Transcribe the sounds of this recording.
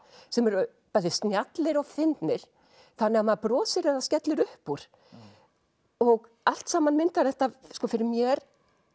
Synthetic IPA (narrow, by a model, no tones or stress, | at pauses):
sɛmɛɾ | paːðɪst̪njat̪lɪɾɔɣθɪnt̪nɪɾ̥ | θanːɛamaðpɾɔːsɪɾɛðascɛt̪lɪɾʏhpuɾ̥ | ɔɣ | al̥t̪saːmanmɪnt̪aɾθɛht̪askɔfɪɾɪɾmjɛɾ